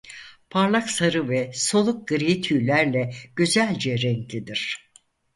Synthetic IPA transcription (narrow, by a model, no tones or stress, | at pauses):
pʰaɾlˠaksaɾɯvɛso̞lˠuk̚ɡ̥ɯɾit̪ʰyːlʲæɾlʲɛɟ̥yzælʲd͡ʒɛɾɛŋklʲid̪iɾ̥